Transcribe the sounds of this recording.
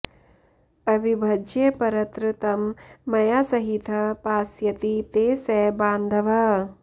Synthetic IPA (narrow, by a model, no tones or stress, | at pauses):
ɐʋibʱɐd͡ʒjɐpɐɾɐt̪ɾɨt̪ɐmːɐjaːsɐɦit̪ʰɐpaːsjɐt̪it̪eːsɛːbaːnd̪ʱɐʋɐ